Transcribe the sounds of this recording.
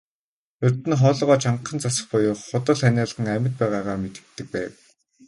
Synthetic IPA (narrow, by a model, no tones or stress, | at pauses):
ɵrt̪ɘ̆nχɔːɮɞʁɔːt͡ɕʰaɴχə̆nt͡sʰasə̆χpʊjʊːχːʊt̪ə̆ɮænaːɮə̆ʁə̆ŋæmʲə̆t̪̚pæːʁaːʁaːmet̪ɘ̥̆k̚t̪ːɘ̆k̚pæːw